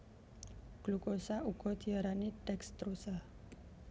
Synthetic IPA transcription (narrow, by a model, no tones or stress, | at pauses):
ɡ̥lukosauɡ̥ɔ̤d̪iaɾaniʈɛkst̪ɾosa